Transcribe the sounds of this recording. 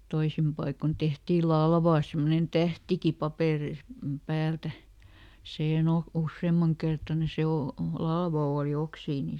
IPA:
toisim pɑikon tehtiː lɑlʋɑː semːonen tæhtiki pɑpeˑreis pæːltæ siːhen oh usːeːmːɑŋ kertɑne se o lɑlʋɑ oːli oksiː ni

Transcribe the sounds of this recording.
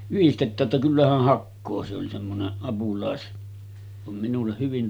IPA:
yhistetˑæː tːæ kylːæ hæh hɑkːoː se oli semːonen ɑpulɑˑes ʋɑm minulːeh̆ hyʋin

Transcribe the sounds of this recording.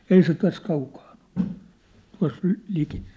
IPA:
ei se tæs kɑukɑːn̥ o̥l̥ tuɑ̝s lĭ liki

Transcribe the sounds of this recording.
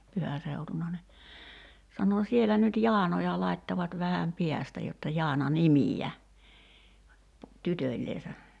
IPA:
pyhæ seutunɑ ni sɑno sielæ nyt jɑːnojɑ lɑitːɑʋɑt ʋæhæm piæstæ jotːɑ jɑːnɑ nimiæ tytølʲleːsæ

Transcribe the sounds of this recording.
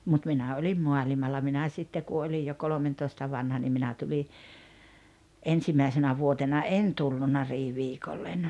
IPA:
mut minæ olʲim muɑlimɑlːɑ minæ sitːe ku olij jo kolomentoistɑ ʋɑnhɑ nim minæ tuli ensimɑisenæ ʋuotenɑ en tulːunɑ riːʋiːkolːen

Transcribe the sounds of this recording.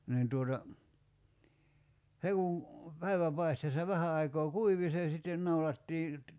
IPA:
niːn tuotɑ se kun̞ pæiʋæpɑisteːsːɑ ʋæhæ ɑikoː kuiʋi se sitːen nɑulɑtːiː

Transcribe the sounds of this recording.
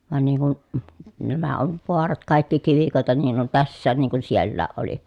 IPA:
ʋɑn niːŋ kun næmæ oʋ ʋoɑrɑt kɑˑikːi kiʋikoˑetɑ niːn on tæsːæːn niːŋ kun sielːæːʔ ʔoli

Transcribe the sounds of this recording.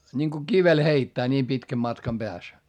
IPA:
nʲiŋko kiʋel heitːæː nʲiːm pitkæm mɑtkɑm b̥eæs

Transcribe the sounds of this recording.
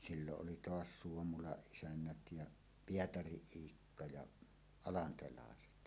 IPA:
silːoʔ ʔoli toɑs suomulɑʔ ʔisænːæt jɑ pietɑriʔ ʔiːkːɑ jɑ ɑlɑntelɑˑeset

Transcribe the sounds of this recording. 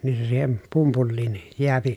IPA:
nin se siːhen pumpulːiːn jeæpi

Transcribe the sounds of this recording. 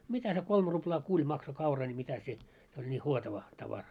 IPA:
mitæ se kolm ruplɑː kulʲ mɑkso kɑurɑ nʲi mitæ se se olʲ nʲi huotɑʋɑ tɑʋɑrɑ

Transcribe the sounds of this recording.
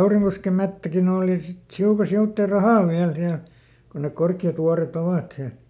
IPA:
kɑuriŋkoskem̆ metːækin oːli sit hiukɑ siutːeˑ rɑhɑˑʋ ʋiæl siæl kon nek korkːiɑt ʋuɑret oʋɑˑt siæl̆

